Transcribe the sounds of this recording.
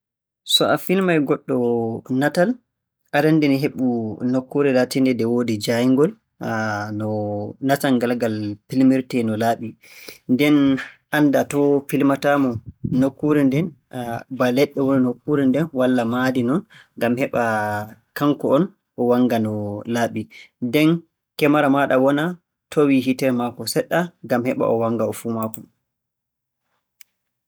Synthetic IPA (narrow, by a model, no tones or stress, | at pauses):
sɔʔafilmajɡɔɗːɔnatal | ʔaɾandɛniɦeɓunokːuɾɛlatindɛdɛwodid͡ʒaiŋɡɔl | nɔnatanɡalɡalpilmiɾtɛnɔlaːɓi | ndɛnʔandatɔpilmatamɔnokːuɾɛndɛnbalɛɗːɛwoɾinokːuɾindɛnwalːamadinɔn | ɡamhɛɓakaŋkɔɔn | ʔɔwaŋɡanɔlaːɓidɛn | kɛmaɾamaɗawɔna | tʰowiɦitɛɾmakɔsɛɗːaŋɡamhɛɓa̰ʔɔwaŋɡaɔfuːmakɔ